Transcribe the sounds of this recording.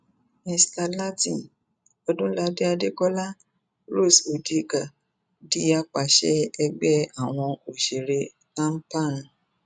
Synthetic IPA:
mĩ˧sta˧la˦tĩ˦˨n | ɔ˧dũ˦la˦de˦a˧de˦kɔ˦la˦ | ɾo˦˨so˨di˦ka˨ | di˦a˦k͡pa˨˧ʃɛ˦ɛ˧ɡ͡bɛ˦a˨w̃ɔ̃˧o˨ʃe˨ɾe˧ | tã˦m̩˦pa˦˨n˨

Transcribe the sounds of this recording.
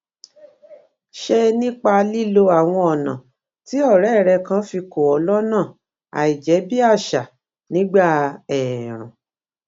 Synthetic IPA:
ʃe˧nĩ˦k͡pa˧li˦lo˧a˨w̃ɔ̃˧ɔ˨nã̰˨ | ti˨˦ɔ˦˨ɾɛ˨˦˨ɾɛ˧kã˦fi˧ko˨ɔ˨˦lɔ˦nã˦˨ | a̰˨i˨d͡ʒɛ˨˦bi˦a˦˨ʃa˨ | nĩ˦ɡ͡ba˦˨ɛ˨ɾ̃ṵ̃˨

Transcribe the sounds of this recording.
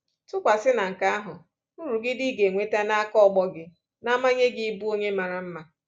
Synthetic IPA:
tʊ˦kʷa˨sɪ˦na˨ŋ̩˨ka˦a˦ɦʊ˨ | u˦ɾu˨ɡɪ˦di˦ɡe˨ŋʷe˨ta˦na˦a˦kɔ˦ɔ˨ɡ͡bɔ˦ɡɪ˨ | na˦ma˦ɲe˦ɡi˦bu˦o˦ɲe˦ma˨ɾa˨m̩˦ma˦

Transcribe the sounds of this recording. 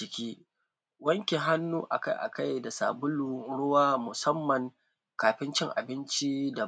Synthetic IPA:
t͡ʃɪ˨kʲiː˦ | wɐ˦ŋkʲi˨ɦa˦nːuː˦ʔa̰˨ka̰˦jʔa̰˨ka˦jda˨sa̰ː˨bʊ˦lu˦ɽʊ˦waː˦mʊ˨sɐ˦mːɐ˨ŋ | kaː˨ɸɪ˦nt͡ʃɪ˦ŋʔa̰˨bɪ˦nt͡ʃi˦da˨

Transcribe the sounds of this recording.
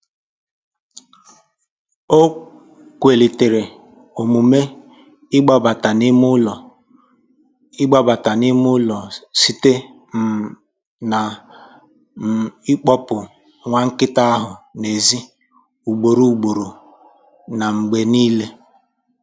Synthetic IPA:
o˦ | kʷe˨li˨te˨ɾe˨ | o˨mu˨me˦ | ɪ˦ɡ͡ba˦ba˨ta˨nɪ˦mʊ˦lɔ˨ | ɪ˦ɡ͡ba˦ba˨ta˨nɪ˦mʊ˦lɔ˨si˦te˦ | na˨ | ɪ˦k͡pɔ˦pʊ˨ | ŋʷa˦ŋ̩˦kɪ˦ta˦a˦ɦʊ˨ne˨zi˦ | u˨ɡ͡bo˨ɾu˦u˨ɡ͡bo˨ɾo˨ | na˨ŋ͡m̩˨ɡ͡be˨niː˦le˦

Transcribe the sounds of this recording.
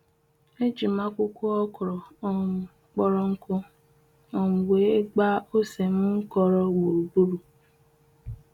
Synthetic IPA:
e˦d͡ʒi˨ma˦kʷʊ˦kʷu˦ɔ˦kɔ˨ɾɔ˨˦˨ | k͡pɔ˦ɾɔ˦ŋ̩˦kʊ˦ | ɔ˨m̩˨ɡ͡be˨˦e˦ɡ͡ba˦o˦se˨m̩˦ŋ̩˦kɔ˦ɾɔ˦ɡ͡bo˨bu˦ɾu˨

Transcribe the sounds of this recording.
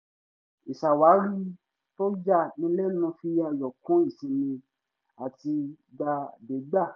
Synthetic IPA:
i˨sa˨wa˨˦ɾi˦ | to˦d͡ʒa˦˨nĩ˧˦lɛ˦nũ˧fi˧a˧˨jɔ˨kũ˨˦i˦˨si˨nĩ˧ | a˨ti˧ | d͡ʒa˧de˨˦ɡ͡ba˦˨

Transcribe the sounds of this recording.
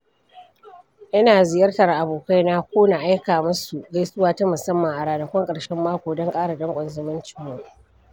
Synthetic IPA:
ʔɐ˦naː˨zɪ˨jɐ˦rtɐ˨rʔa˨boː˨ka˦jnaː˦kʷoː˦na˨ʔa˦jkaː˨mʊ˦su˨za˦sʊ˦waː˨tɐ˦mʊ˨sɐ˦mːɐ˨ŋʔa˨ɽaː˨na˨kʷɔ˦ŋkʼɐ˨ɽʃɛ˦mːaː˦kʷoː˨dɔ˦ŋkʼaː˦ɽa˨dɐ˦ŋkʷʼɔ˨nzʊ˦mɐ˦nt͡ʃɪ˨˦mːʊ˦ŋ

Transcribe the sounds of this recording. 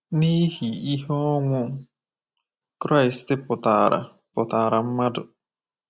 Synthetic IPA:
ni˦hi˨i˦ɦɔ˦ŋʷʊ˦ | kɾa˦ɪ˨stɪ˦pʊ˨ta˨ɾa̰˨ | pʊ˨taː˨ɾa˨m̩˦ma˦dʊ˨

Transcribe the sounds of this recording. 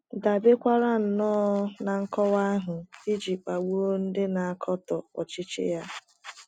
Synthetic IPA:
da˨be˦kʷa˦ɾa˦n̩˨nɔː˦na˨ŋ̩˦kɔ˦wa˦ɦʊ˨i˦d͡ʒi˨k͡pa˨ɡ͡bu˦o˦n̩˦dɪ˦na˨a˨kʰɔ˦tɔ˨ɔ˨t͡ʃɪ˦t͡ʃɪ̰˦ja˦

